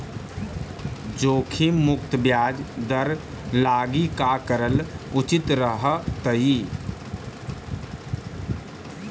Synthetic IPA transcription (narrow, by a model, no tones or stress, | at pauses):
d͡ʒoːkʰimʊk̚t̪bjaːd͡ʒd̪əɾ | laːɡikakəɾəlʊt͡ʃɪt̪ɾəɦt̪əi